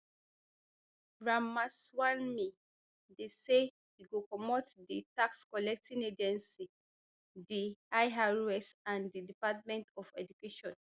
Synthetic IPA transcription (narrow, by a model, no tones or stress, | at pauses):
ɹamaswãnmi | dese | wiɡokɔmɔtditakskɔlɛk̚tʰĩned͡ʒɛ̃nsi | diajɦaɹɛsãndidipat̚mɛ̃ntɔfɛd͡ʒukeʃɔ̃n